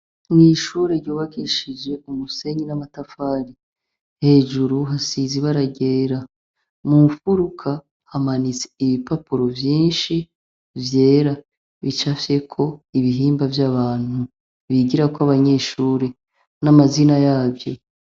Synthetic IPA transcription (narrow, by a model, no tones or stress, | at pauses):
niʃuːɾe̞ɾjoːβaɡiʃid͡ʒe̞umuse̞ɲinamatafaːɾi | he̞ːʒuɾuɦasiːziβaɾaɟe̞ɾa | mufuɾukʰa | hamanit͡se̥iβipapuɾo̞vjiːnʃi | vje̞ːɾa | βit͡ʃafje̞kʰo̞iβiɦiːmbavjaβaːn̥hu | βiɡiɾakoaβaɲe̞ːʃuːɾe̞ | namazinajaːvjo̞